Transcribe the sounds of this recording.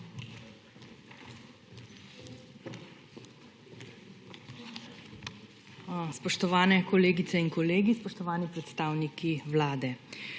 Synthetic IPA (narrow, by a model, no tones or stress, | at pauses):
spɔʃt̪ɔʋaːnɛkɔleːɡit̪sɛinkɔleːɡispɔʃt̪ɔʋaːnipɾɛt̪st̪aːwnikiwlaːd̪ɛ